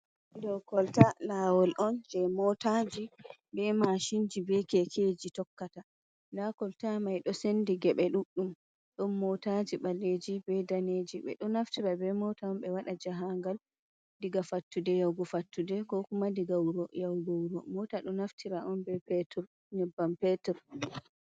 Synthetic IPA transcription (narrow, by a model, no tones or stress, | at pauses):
dɔkɔltalawɔlʔɔnd͡ʒɛmɔtad͡ʒibɛmaʃind͡ʒibɛkɛkʰed͡ʒitɔkːata | ndakɔltamajɗɔsendiɡɛɓɛɗuɗːum | ɗɔnmɔtad͡ʒiɓalːed͡ʒibɛdaned͡ʒiɓɛ̰ɗɔnaftiɾabɛmɔtaɔnbɛwaɗad͡ʒaɦaŋɡal | diɡafatːudɛjawɡɔfatːudɛkɔkumadiɡawɾɔjawɡɔwɾɔmɔtaɗɔnaftʰiɾaʔɔnbɛpɛtɔɾ | ɲɛbːampɛtɛɾ